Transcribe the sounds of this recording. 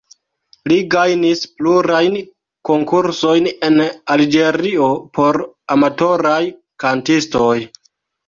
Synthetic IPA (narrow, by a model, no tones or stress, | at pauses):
liɡajnispluɾajn | ko̞ŋkuɾso̞jne̞nald͡ʒe̞ɾio̞pʰo̞ɾamato̞ɾaj | kantisto̞j